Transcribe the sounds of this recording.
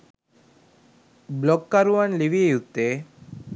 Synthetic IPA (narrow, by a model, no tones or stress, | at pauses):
blɔkːaɾuanliʋiejut̪ːe